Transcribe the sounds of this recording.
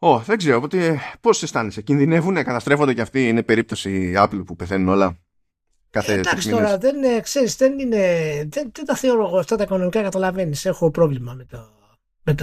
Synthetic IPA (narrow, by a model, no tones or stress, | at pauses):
o̞ðe̞ɡze̞ɾoːpot̪epo̞se̞st̪ɐnesecinðine̞vune̞kɐt̪ɐst̪ɾe̞fo̞nd̪eceɐft̪iine̞pe̞ɾip̚t̪osiɐplpupeθe̞nuno̞lɐ | kɐθed̪ɐksiit̪oɾɐðenekse̞ɾisðe̞nine̞ðenðend̪ɐθe̞oɾoɣoft̪at̪ɐiko̞no̞mikɐkɐt̪ɐlɐve̞nise̞xo̞pɾo̞vlimɐmet̪o | met̪